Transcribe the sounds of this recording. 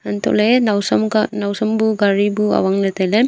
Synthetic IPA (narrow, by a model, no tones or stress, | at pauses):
ant̪ɔ̰ʔlenawsɔmnawsɔmbuɡaɾibua̰waŋnat̪ajlem